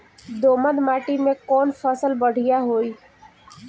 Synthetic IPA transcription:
d̪oːməd̪maːʈimẽkɔːnfʰəsəlbəɽ̤ɪjaɦoːiː

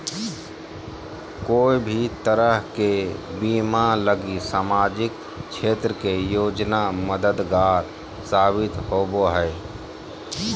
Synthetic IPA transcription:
koːibʱit̪əɾəɦkebiːmaləɡisaːmaːd͡ʒɪk | t͡ʃʰeːt̪ɾəkejoːd͡ʒnaməd̪əd̪ɡaːɾ | saːbɪt̪hoːboɦɛe

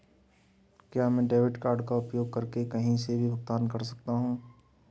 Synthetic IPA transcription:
kjaːmɛ̃ːɖeːʋɪʈkaːɾɖkaʊpjoːɡ̚kɐɾkekɐɦĩsebʱibʱʊɡt̪aːnkɐɾsɐ̥k̚t̪aɦũː

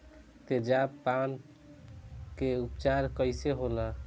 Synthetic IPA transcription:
t̪ed͡ʒapan | keupt͡ʃaɾkəɪseɦola

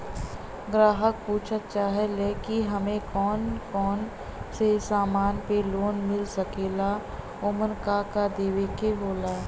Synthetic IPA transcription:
ɡɾaːɦək̚puːt͡ʃʰət̪̚t͡ʃaːɦeleːkiɦɐmẽkɔːnkɔːn | sesaːmaːnpeloːnmɪlsəkeːla | oːmənkakad̪eːʋekeɦoːlaː

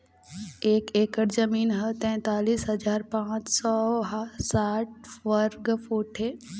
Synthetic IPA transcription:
eːkeːkəɾzəmiːnɦət̪ɛ̃ːt̪aːliːsɦɐd͡ʒaːɾpãːt͡ʃsɔɦsaːʈ̚ʋəɾɡfuːʈɦeː

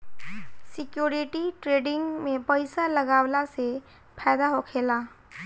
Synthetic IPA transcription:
sɪkjoːɾɪʈiʈɾeːɖɪ̃ŋɡmẽpəɪsalɐɡaːwlase | pʰɛːd̪aɦokʰeːlaː

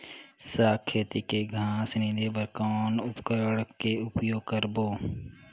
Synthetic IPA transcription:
saːkʰːeːt̪ikeɡʱaːsnid̪ebəɾkɔːnʊpkəɾɽkeʊpjoːɡ̚kəɾboː

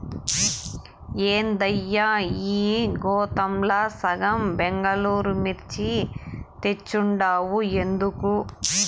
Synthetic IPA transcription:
eːnd̪ɐjːaiːɡɔːt̪ɐmlasɐɡɐmbeŋɡɐluːɾumiɾt͡ʃit̪e̞t͡ʃːuɳɖaːwuend̪uku

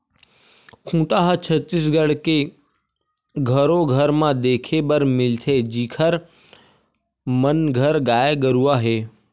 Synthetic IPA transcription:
kʰũːʈaːɦat͡ʃʰət̪ːɪs̬ɡəɽ̤ke | ɡʱɐɾoɡʱəɾmãd̪eːkʰebəɾmɪlt̪ʰed͡ʒiːkʰəɾ | mənɡʱəɾɡaːeɡəɾuaːɦeː

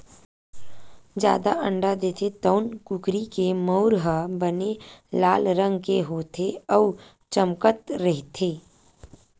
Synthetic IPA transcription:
d͡ʒja̰ːd̪aʔə̃ɳɖad̪eːt̪ʰet̪ɔːnkʊkɾikeməːʊɾɦəbənelaːlɾə̃ŋɡkeɦoːt̪ʰeɔː | t͡ʃəmkət̪ɾɛɦt̪ʰeː

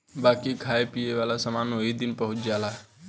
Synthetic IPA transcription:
baːkikʰaːepijeʋaːlasəmaːnɦoːɦid̪ɪnpəɦʊt͡ʃd͡ʒaːlaɦɛ

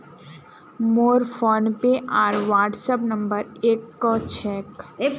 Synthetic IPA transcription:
moːɾfʰoːnpeʔaːɾʋaːʈsəpnə̃mbəɾeːkːɔt͡ʃʰɛːkː

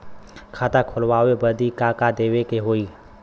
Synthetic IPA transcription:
kʰaːt̪akʰʊlwaːebəd̪ikakad̪eːʋekeɦoːiː

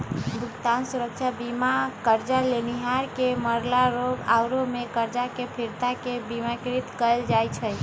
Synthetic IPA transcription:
bʱukt̪ansuɾək̚t͡ʃʰabimakəɾd͡ʒaleniɦaɾkeməɾlaɾoɡa̰wɾomekəɾd͡ʒakepʰiɾt̪akebimakɾit̪kəjld͡ʒajt͡ʃʰə

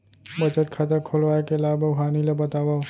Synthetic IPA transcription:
bət͡ʃət̪̚kʰat̪akʰolʋaːekelaːbəɡɦaːnilebət̪aːba

